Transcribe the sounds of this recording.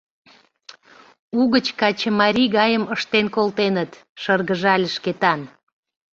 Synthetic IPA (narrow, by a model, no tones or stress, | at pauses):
uɣət͡ɕkɑt͡ɕə̆mɑɾʲiɣɑjəməʃt̪enkolt̪enət̪ | ʃərɣəʒɑlʲəʃket̪ɑn